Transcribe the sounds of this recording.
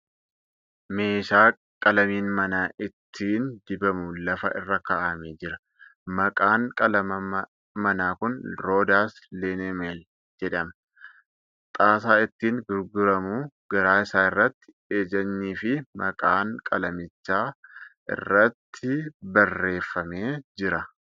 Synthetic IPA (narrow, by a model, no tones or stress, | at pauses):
me̞ːʃaː | kʼɐlɐmiːnmɐnaːʔɪt̪ʰːiːnd̪ɪbɐmʊlɐfɐ̰ʔɪ̰rːɐkɐʔɐmeːd͡ʒɪɾɐ | mɐkʼaːŋkʼɐlɐmɐ | mɐnaːkʊnɾo̞ːd̪aːsleːnemeːl | d͡ʒɛᶑɐmɐ | t̪ʼaːsaːɪt̪ːiːŋɡʊɾɡʊɾɐmuːɡ̥ɐɾaːɪsaːɪrːɐt̪ːɪ̥ | eːd͡ʒɐnːiːfɪmɐkʼaːŋkʼɐlɐmɪt͡ʃːaːʔɪ̰rːɐt̪ʰːɪbɐrːe̞ːfːɐmeːd͡ʒɪɾɐ